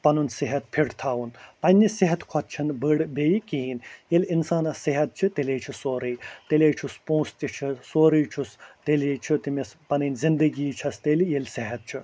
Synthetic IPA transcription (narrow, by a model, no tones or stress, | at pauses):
pɐnunsiɦɐt̪̚pʰiɽt̪ʰaːwunpɐnʲːisiɦɐt̪kʰɔt̪̚t͡ʃʰɐnbəɽbeːjikiːinjelʲinsaːnɐsiɦɐt̪̚t͡ʃʰɨt̪eleːt͡ʃʰisoːɾijt̪elʲeːt͡ʃʰuspõːst̪ʲit͡ʃʰisoːɾijt͡ʃʰust̪elet͡ʃʰut̪imɐspɐnɨnʲzind̪ɐɡiːt͡ʃʰɐst̪elijelʲsiɦɐt̪̚t͡ʃʰu